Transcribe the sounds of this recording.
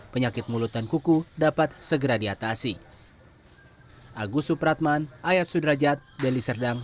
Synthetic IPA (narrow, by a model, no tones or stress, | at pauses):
pəɲakɪt̪̚mulut̪ankukudapat̪̚səɡəɾadiat̪asi | ʔaɡusupɾat̪̚manʔajat̪̚sudɾad͡ʒat̪̚bɛlisərdaŋ